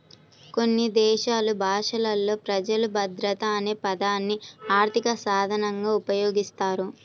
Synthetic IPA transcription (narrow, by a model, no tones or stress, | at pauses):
ko̞nːid̪ɛːʃaːlubʱaːʂɐlɐlːo̞ːpɾɐd͡ʒɐlubʱɐd̪ɾɐt̪aneːpɐd̪aːnːiaːɾt̪ʰikɐsaːd̪ʱɐnɐŋɡaːupɐjo̞ːɡist̪aːɾu